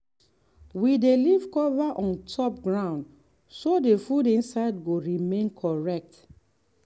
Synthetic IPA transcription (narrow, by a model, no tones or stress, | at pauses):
widelivkɔvaʔɔ̃ntʰɔp̚ɡɹãʊ̃nd | sodefudĩnsaɪdɡoɹimẽnkʰɔɹɛk̚t